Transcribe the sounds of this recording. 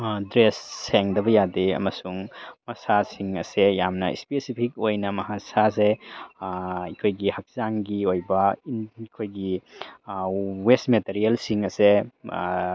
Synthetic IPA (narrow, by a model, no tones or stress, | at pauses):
dɾesːeŋdɐbɐjadeɐ̰mɐsuŋmɐsasiŋɐsejamnɐḭspesipʰik̚ojnɐmɐɦasase | ikʰojɡihɐk̚zaŋɡiojbɐikʰojɡi | wesmeteɾielsiŋɐse